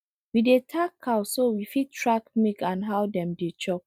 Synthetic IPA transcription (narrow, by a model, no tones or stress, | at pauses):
widetʰakʰːawsowifit̚tɹakmikãnɦawdɛ̃mdet͡ʃɔk̚